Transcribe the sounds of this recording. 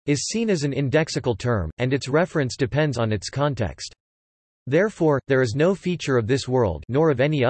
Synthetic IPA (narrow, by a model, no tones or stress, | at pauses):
ɨz̥sĩnɨz̃n̩ɪ̃ndɛksɨkl̩ˠtʰɜ̃˞mɨ̃nɨtsɹɛfɹɨ̃nsd̥ɨpʰɛ̃ndzn̩ɨtskʰɑ̃ntʰɛ̰kst | ðɛɹfɔɹðə˞ɨznoʊfit͡ʃə˞ʌvðɪswɜ˞lˠdⁿnɔɹʌvɛni